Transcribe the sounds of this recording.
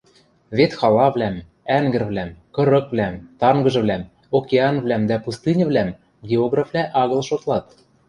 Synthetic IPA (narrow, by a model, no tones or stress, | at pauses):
βet̪xɑlɑβlæm | æŋɡɘ̆rβlæmkɤ̆ɾɤ̆kvlæmt̪ɑŋɡɤ̆ʒɤ̆βlæm | okʲeɑnvlæmd̪æpust̪ɨnʲɤ̆βlæm | ɡʲeoɣrɑflæʔɑɣɤ̆lʃot̪lɑt̪